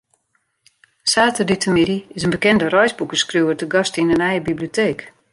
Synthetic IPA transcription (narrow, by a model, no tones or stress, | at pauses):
saːtəditʰəmɪdiɪsənbəkɛndərɔjzbukəskruwərtəɡɑstinənɛjəbiblioteːk